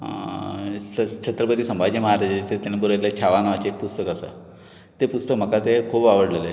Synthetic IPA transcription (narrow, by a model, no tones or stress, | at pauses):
ɦ | ət͡ɕʰət̪ɾəpəd̪iːsəmbʱad͡ʑiməɦaɾad͡ʑet͡set̪anebuɾajlat͡ɕʰaʋanəʋat͡ɕeek̚pust̪əkasa̰ | t̪epust̪əkm̤əkat̪ekʰuːbaʋəɽlele